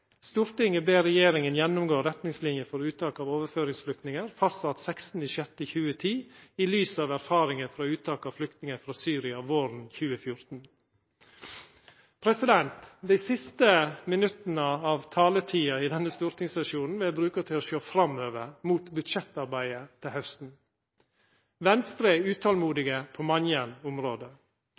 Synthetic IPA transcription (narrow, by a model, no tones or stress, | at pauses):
st̪uːɾt̪ɪŋəbeːɾɛjeːɾɪŋənjɛnːʊmɡoːɾɛt̪nɪŋslɪnjəfɔɾʉːt̪ɑːkɑːʋoːʋəɾføːɾɪŋsflʏk̚t̪nɪŋəɾfɑst̪sɑt̪sɛkst̪n̩ɪsɛt̪ːəçʉːət̪ʰiːiːlyːsɑːʋæɾfɑːɾɪŋəfɾɑːʉːt̪ɑːkɑːflʏk̚t̪nɪŋəɾfɾɑːsyːɾɪɑʋoːɾnçʉːəfjʊɾt̪n̩ | pʰɾɛsɪd̪ɛnt̪d̪æɪsɪst̪əmɪnʉt̪ənəɑːʋt̪ʰɑːlət̪ʰiːɑɪd̪ɛnːəst̪uːɾt̪ʰɪŋsɑʃuːnn̩ʋɪlbɾʉːkət̪ʰɪloʃoːfɾɑmøːʋəɾmuːt̪bʉt̪ʃɛt̪ːɑɾbæɪət̪ʰɪlhœst̪n̩ | ʋɛnst̪ɾəʉːt̪ʰɑːlmuːd̪ɪɡəpʰoːmɑnjənʊmɾoːd̪ə